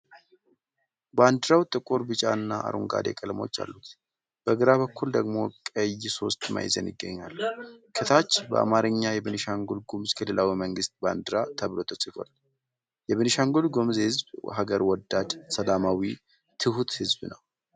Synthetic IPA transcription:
band̪ɨɾawt̪ʼɨkʼuɾbɨt͡ʃʼanːaa̰ɾʔuŋɡa̰d̪ḛkʼəlmo̞̰t͡ʃːa̰lːut̪ | b̥əɡɨɾaβəkːuld̪əɡmo̞kʼəjso̞st̪ma̰jzə̰nɪɡːəɲːalkʰɨt̪ʰat͡ʃːbəʔa̰maɾɨɲːajɛβɨnɨʃaŋɡulɡomzkʰɨlːɨlawiməŋɡɨst̪̚band̪ɨɾat̪ʰəβlo̞t̪ʰəsʼɨfo̰l | jɛβɨnɨʃaŋɡulɡomzhɨzbɦaɡəɾwɔd̪ːad̪səlamawi | t̪ʰɨhut̪hɨzbnə̰w

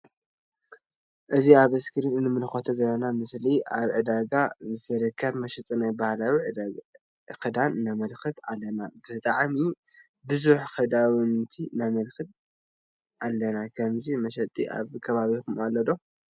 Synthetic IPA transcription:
ʔɨziaβɨskʰɨɾinɨnːɨmɨnɨxot̪ʰɐzɐlːɐnamɨsliʔaβʕɨd̪aɡazɨt̪ɐɾɨkʰːɐβmɐʃɐt̪ʼinajbahlawiʕɨ | kɨd̪anːamɐlxɨt̪alːɐnabɨt̪ʼaʕmi | bɨzuħxɨd̪awɨnt̪ʰinamɐlxɨt̪̚ | ʔalːɐnakʰɐmzimɐʃ̬ɐt̪ʼiʔa̰βkʰɐβaβikumalːɐd̪o̞

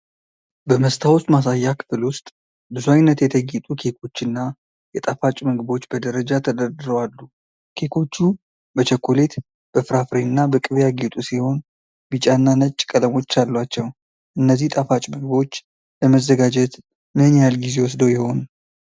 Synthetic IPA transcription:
bəməst̪ʰawʊst̪ʼmasajːakʰɨ̥fɨlwʊst̪ʼ | bɨzuajnːət̪jɛt̪ʰəɡit̪ʼukʰe̞kʰo̞t͡ʃːɨnːa | jɛt̪ʼafat͡ʃʼməɡɨbo̞t͡ʃːbəd̪əɾəd͡ʒat̪ʰəd̪əɾd̪ɨɾowalːu | kʰe̞kʰo̞t͡ʃːu | bət͡ʃɛkʰːole̞t̪ | b̥əfɨɾafɾeɨnːabəkʼɨβjaɡet̪ʼusiho̞n | bit͡ʃʼanːanət͡ʃʼːkʼələmo̞t͡ʃːalːwat͡ʃːɛw | ʔɨnːəzːiht̪ʼafat͡ʃʼməɡɨbo̞t͡ʃː | ləməzːəɡad͡ʒɛt̪ | mɨnjalɡize̞wɔs̬d̪əwjɛho̞nu

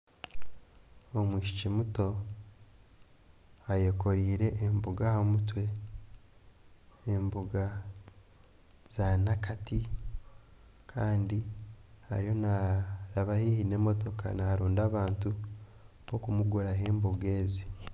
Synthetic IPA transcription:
omwiːʃi̥cimuto̞ | ajoko̞ɾiːɾe̞ʔːmbuɡahamutwe̞ | mbuɡa | z̥anakati | kʰaːndiha̰ɾijo̞naɾaβahihine̞ːmo̞to̞ka̰naɾuːndaβaːntu | βokumuɡuɾaɦe̞ːmboɡe̞ːzi

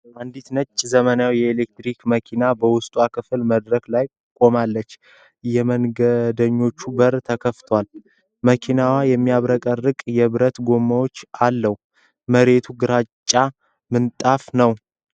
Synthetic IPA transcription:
ʔand̪it̪nət͡ʃʼːzəmənajawjɛelek̚t̪ɾikməkʰinabəwʊst̪ʼwakʰɨfɨlməd̪ɾəklaj | kʼo̞malːət͡ʃː | jɛmənɡəd̪əɲːo̞t͡ʃːubəɾt̪ʰəkʰəft̪ʰwal | məkʰinawajɛmːiaβɾəkʼərːɨkʼjɛβɨɾət̪ɡo̞mːawo̞t͡ʃːalːəh | məɾe̞t̪ʰuɡɨɾat͡ʃʼːa | mɨnt̪ʼafnəw

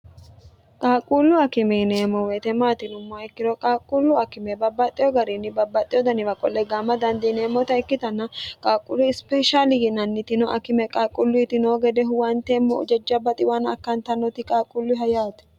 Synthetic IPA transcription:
kʼaːkʼːulːʊɐkɪmɛneːmɔwɛt̪ɛmaːt̪ɪnʊmːaɪkːɪɾɔkʼaːkʼːʊlːʊɐkːɪmɛbɐbːɐt̪ʼːɪjɔɡɐɾinːɪbɐbːɐt̪ʼːɪjɔd̪ɐnɪbɐkʼɔlːɛɡaːmːɐd̪ɐnd̪ɪneːmːɔt̪ɐɪkːɪt̪ɐnːɐkʼaːkʼːʊlʊɪspɛʃaːlɪɡɪnɐnːɪt̪ɪnɔʔɐkɪmɛkʼaːkʼːʊlːʊɪt̪ɪnoːɡɛd̪ɛɦʊwɐnt̪eːmːɔɔ̰d͡ʒɛd͡ʒːɐbɐt̪ʼɪwanɐ̰kːɐnt̪ɐnɔt̪ɪkʼaːkʼːʊlːʊɪɦɐjaːt̪ɛ̥

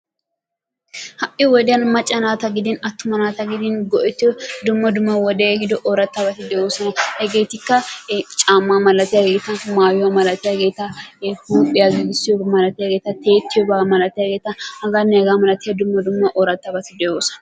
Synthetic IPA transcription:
hɐʔɪɔwɔd̪ɪjɐnmɐt͡ʃʼːɐnaːt̪ɐɡɪd̪ɪnɐt̪ːʊmɐnaːt̪ɐɡɪd̪ɪnɡɔʔɛt̪ːɪjɔd̪ʊmːɐd̪ʊmːɐwɔd̪eɡɪd̪ɔʔoːɾɐt̪ːɐbɐt̪ɪd̪ɛjoːsɐnɐhɛɡe̞ːt̪ɪkːɐt͡ʃʼaːmːaːmɐlɐt̪ɪjaɡe̞ːt̪ɐmaːjʊwɐmɐlɐt̪ɪjaɡe̞ːt̪ɐhuːpʼːɪjɐɡɪɡɪsːɪjɔbɐmɐlɐt̪ɪjaɡeːt̪ɐt̪e̞ːt̪ːɪjɔbɐmɐlɐt̪ɪjɐɡe̞ːt̪ːɐhɐɡɐnːɛɡaːmɐlɐt̪ɪjɐd̪ʊmːɐd̪ʊmːɐʔoːɾɐt̪ːɐbɐt̪ɪd̪ɛjoːsɐ̥nɐ

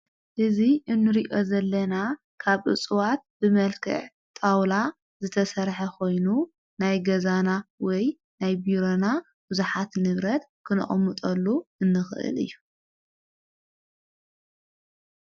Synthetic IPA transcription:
ʔɨziʔɨnːɨɾiʔo̞zɐlːɐna | kʰaβʔɨ̰t͡sʼɨwat̪̚bɨmɐlkʰɨ̰ʕ | t̪ʼawla | zɨt̪ʰɐsɐɾħɐkʰo̞jnu | najɡɐzanawɔj | najbiɾona | b̥ɨzuħat̪nɨβɾɐt̪kʰɨnɨ̰χʼmːɨt̪ʼɐlːuʔɨnːɨxɨ̰ʔɨ̰lɨ̰jːu

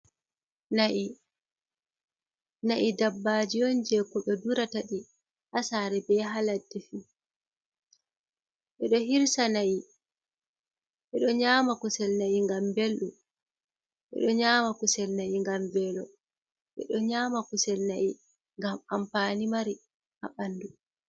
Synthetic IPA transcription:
naʔi | naʔidabːad͡ʒijɔnd͡ʒɛkːɔɓɛduɾataɗi | ʔasaɾɛbɛɦaladːɛfi | ʔɛɗɔhiɾsanaʔi | ʔɛ̰ɗɔɲaːmakusɛlnajiŋɡambelɗu | ʔɛ̰ɗɔɲaːmakusɛlnaʔiŋɡamvɛlɔ | ʔɛ̰ɗɔɲaːmakusɛlnaʔi | ŋɡamampanimaɾi | ʔa̰ɓanːdu

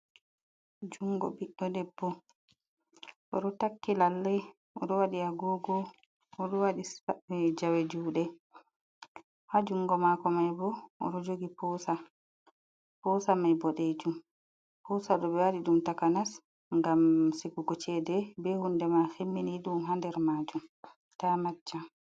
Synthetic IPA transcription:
d͡ʒuŋɡɔ̰biɗːɔdɛbːɔ | ʔɔɗɔtakːilalːɛj | ɔɗɔwaɗiaɡɔɡɔː | ɗɔwaɗisaɛd͡ʒawed͡ʒuɗɛ | had͡ʒuŋɡɔmakɔmajbɔɔ̰ɗɔd͡ʒoɡipɔsa | pɔsamajbɔɗed͡ʒum | pɔsaɗɔbɛwaɗiɗumtakanas | ŋɡamsiɡuɡɔt͡ʃɛdɛbɛhundɛmaxemːiniɗumɦandɛɾmaːd͡ʒum | tamat͡ʃːa

